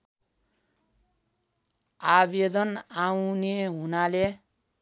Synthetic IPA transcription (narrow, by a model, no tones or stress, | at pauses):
abed̪ʌnawneɦunale